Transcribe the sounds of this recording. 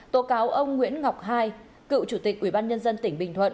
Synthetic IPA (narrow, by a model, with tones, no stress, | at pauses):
t̪o˨˦kaː˨˦wʔə˧wŋ͡mŋwḭ˧˥ənŋa˨˩wk͡p̚ɦaː˧j | kɨ̰˧˨t͡ɕu˧˩t̪ï˨˩k̚ʔwi˧˩ɓaː˧nɲə˧nzə˧nt̪ï˧˩ŋ̟ɓï˨˩ŋ̟t̪ʰwə̰˧˨n